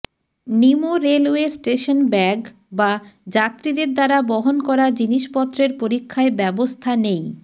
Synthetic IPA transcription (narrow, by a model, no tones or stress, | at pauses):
nimoɾelwesʈeʃonbɛɡ | bad͡ʑat̪ːɾid̪eɾd̪aɾabɔɦonkɔɾad͡ʑiniʃpɔt̪ːɾeɾpoɾikʰːaebɛbost̪ʰanej